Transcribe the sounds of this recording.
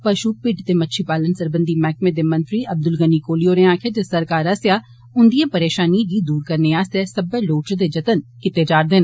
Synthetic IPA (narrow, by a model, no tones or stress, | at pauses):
pɐʃuːpɪʈt̪emɐtːʃʰipaːlənsəɾbə̃nd̪ʱimɛːk̚mẽd̪emɐ̃nt̪ɾiɐb̚d̪ʊlɡənikoːlijoɾẽãːkʰet̪esɐɾkaːɾɐsjaː | ʊ̃nd̪ijãpɐɾeːʃaːnid͡ʒiːd̪uːɾkɐɾneaːsesɐbəloːt͡ʃd̪ed͡ʒɐt̪ənkɪt̪ed͡ʒaːɾd̪eːn